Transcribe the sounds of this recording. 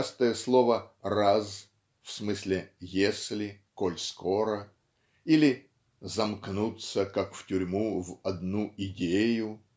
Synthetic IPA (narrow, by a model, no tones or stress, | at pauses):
st̪əjəslˠovəraz | fsmɨsʲlʲɪjesʲlʲɪkolʲsko̞ɾə | ilʲɪ | zɐmknut̪səkakftʲʊɾʲmuvɐd̪nuɪdʲejʊ